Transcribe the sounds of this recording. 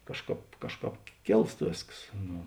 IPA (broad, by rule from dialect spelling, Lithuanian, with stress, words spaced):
ˈkɑːʃˌkɑːp ˈkɑːʃˌkɑːp ˈkʲeːlˠst ˈʋʲeːsks ˈnʊ